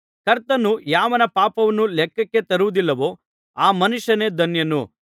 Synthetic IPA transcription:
kɐɾt̪ɐnːujaːʋɐnɐpaːpɐʋɐnːulɛkːɐkːe̞t̪ɐɾuʋud̪ilːɐʋo̞ː | aːmɐnuʂɐneːd̪ʱɐnjɐnu

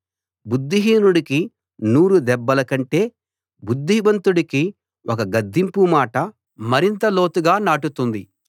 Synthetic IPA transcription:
bud̪ːiɦiːnuɽiki | nuːɾud̪ɛbːɐlɐkɐɳʈe̞ː | bud̪ːiʋɐnt̪uɽiki | ʔɔkɐɡɐd̪ʱːimpumaːʈɐ | mɐɾint̪ɐlo̞ːt̪uɡaːnaːʈut̪und̪i

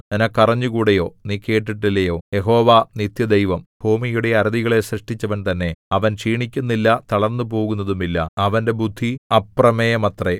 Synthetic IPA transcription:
nenɐkːɐrɐɲːukuːɽejo̞ːniːkːe̞ːʈːiʈːilːɐjo̞ːje̞ɦo̞ːʋanit̪jɐd̪ejʋɐmb̥ʱuːmijuɽe̞ɐɾɐðiɣɐɭe̞ɕriʂʈit͡ɕːɐʋɐnt̪ɐnːe̞ɐʋɐnʂiːɳikʲːunːilːɐt̪ɐɭɐrnːup̬o̞ːɣunːɐðumilːɐ̰ɐʋɐnde̞bud̪ʱːiɐprɐmejɐmɐt̪re

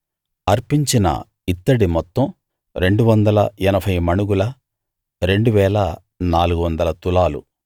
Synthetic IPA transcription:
ɐɾpiɲt͡ʃinɐ̰ | it̪ːɐɽimɔt̪ːɐm | ɾe̞ɳɖuʋɐnd̪ɐlɐɛnɐpʰɐjmɐnuɡulɐ | ɾe̞ɳɖuʋɛːlɐ | naːluɡuʋɐnd̪ɐlɐt̪ulaːlṵ

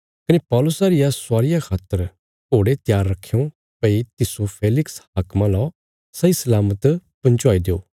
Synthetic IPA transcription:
kɐnepɔːlʊsaɾɪjasʊaːɾɪjakʰaːt̪ːəɾ | oːɽet̪jaːɾːɐkʰːejõ | pɐit̪ɪsopʰeːlɪksɦaːkmãlɔː | sɐisɐlaːmət̪pɐ̃ɲt͡ʃɔaːid̪eo̰ː

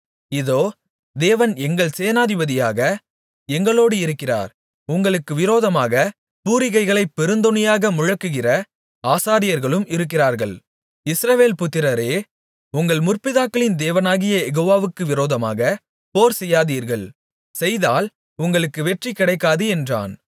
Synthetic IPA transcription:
ɪðoː | d̪eːʋɐnɛŋɡɐɭseːɐnaːðɪbɐðɪjaːɣɐ | ɛŋɡɐɭoːɽɯɪɾɯkːɪra̰ːɾ | ʊŋɡɐɭɯkːɯʋɪɾoːðɐmaːɣɐ | puːɾɪɣɐɪɣɐɭɐɪpːɛɾɯnd̪ɔnɐjaːɣɐmʊɻɐkːɯɣɪrɐ | aːsaːɾɪjɐɾɣɐɭɯmɪɾɯk̬ːɪraːɾɣɐɭ | ɪsɾɐʋeːlpʊt̪ːɪɾɐɾeː | ʊŋɡɐɭmʊrpɪðaːkːɐɭɪnd̪eːʋɐnaːɣɪjɐjɛɣoːʋaːʋɯkːɯʋɪɾoːðɐma̰ːɣɐ | poːɾsɛjːaːðiːɾɣɐɭ | sɛjðaːl | ʊŋɡɐɭɯkːɯʋɛʈrikːɪɽɐɪkːaːðɯɛndra̰ːn

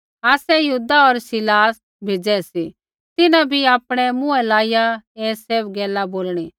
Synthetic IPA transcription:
aːsɛjɐɦuːd̪aɔɾsɪlaːs | bʱeːd͡ʒɛsi | t̪ɪnãbʱiaːpɽ̃ɛmʊ̃ɛlaːɪjaeːseːbɡɛːlaboːlɽ̃i

